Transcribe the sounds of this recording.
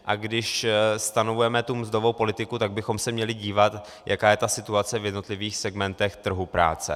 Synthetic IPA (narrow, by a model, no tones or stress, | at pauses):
ʔaɡdɪʃst̪anovujɛmɛt̪umzd̪o̞vo̞wpo̞lɪt̪ɪkut̪aɡ̚bɪxo̞msɛmɲɛlɪɟiːvat̪ | jʔakaːjɛt̪asɪt̪uat͡sɛvjɛdno̞t̪lɪviːxsɛɡmɛnt̪ɛxt̪r̩ɦupɾa̰ːt͡sɛ̰